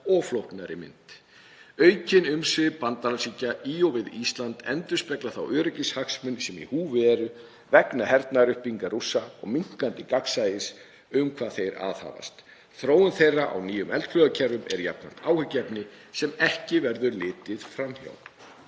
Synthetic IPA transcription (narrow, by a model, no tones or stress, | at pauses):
ɔɣflowhknaɾɪmɪ̰nt̪ | œːɥcɪnʏmsɪðpant̪alasicaʔiɔwvɪðist̪lant̪ɛ̰nt̪ʏ̥spɛklaθawʔœːɾʏcɪshaksmʏnsɛmḭhuːvɪɛɾʏ | vɛknahɛɾt̪naɾʏhpiŋkaɾusːaɔ̰ɣmiŋ̥kant̪ɪkaksaːjɪs | ʏmkʰvaːðθejɾa̰ːðha̰ːva̰st̪ | θɾoːwʏnθejrːaʔa̰wniːjʏmɛlt̪flœɣacʰɛɾvʏmɛ̰ɾja̰pnan̥t̪aːwhʏcɛpnɪ | sɛmɛhcɪvɛɾðʏɾlɪːt̪ɪðfɾamçja̰w